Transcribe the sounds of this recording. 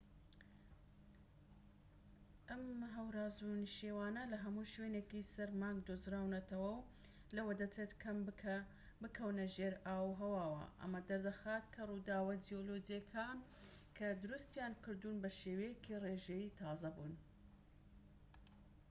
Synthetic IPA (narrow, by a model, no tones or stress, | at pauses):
ʔɐmɦɐwɾaːzunʃiwaːnɐlɐɦɐmuʃweːneːkisɐɾmaːŋɡd̪oːzɾaːwnɐt̪ɐwɐw | lɐwɐd̪ɐt͡set̪kʰɐm | bɨkʰɐwnɐʒeːɾaːwɦɐwaːwɐ̰ʔɐ̰mɐd̪ɐɾd̪ɐxaːt̪kʰɐrud̪aːwɐd͡ʒijolod͡ʒijɐkʰaːn | kʰɐd̪ʊɾust̪jaːnkɨɾd̪uːnbɐʃeːwejekʰireʒejit̪ʰɑːzɐbuːn